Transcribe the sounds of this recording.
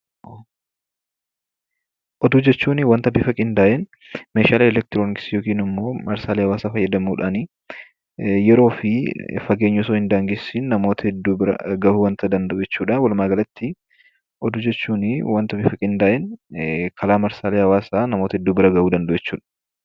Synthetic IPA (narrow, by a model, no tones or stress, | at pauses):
o | ʔɔd̪uːd͡ʒɛt͡ʃːuːnɪwaːnt̪ɐbɪfɐkʼɪnd̪aːʔɛn | meːʃaːlɛlɛk̚t̪ɪɾoːnɪksjoːkiːnɪmːo̞ːmɐɾsaːleːhɐwaːsaːfɐjːɐd̪ɐmuːᶑaːnɪ | jɛɾo̞ːfɪfɐɡeːɲːʊsoːhɪnd̪aːŋɡɪsinnɐmo̞ːt̪ɐɛd̪ːuːbɪɾɐ̰ɡɐuːwɐnt̪ɐd̪ɐnd̪ɐʔod͡ʒɛt͡ʃːuːᶑɐwɐlʊmaːɡɐlɐt̪ːɪ | ʔɔd̪uːd͡ʒɛt͡ʃːuːnɪwaːnt̪ɐbɪfɐkʼɪnd̪aːʔɛnkʰɐlaːmɐɾsaːleːhɐwaːsaːnɐmoːt̪ɐɛd̪ːuːbɪɾɐɡɐuːd̪ɐnd̪ɐʔɛt͡ʃːuːᶑɐ̥